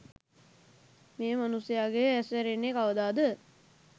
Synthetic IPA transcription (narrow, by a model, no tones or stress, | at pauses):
meːmanusejaːɡeæsʋæɾenːekaʋəd̪aːd̪ə